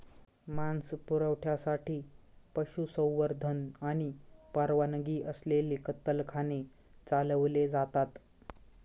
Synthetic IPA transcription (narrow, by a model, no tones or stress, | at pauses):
manspuɾəʋʈʰjasaʈʰiː | pəɕusə̃w̃ʋəɾd̪ʱənaɽ̃ipaɾʋanəɡiːʔəslelikət̪ːəlkʰane | t͡saləʋled͡zat̪at̪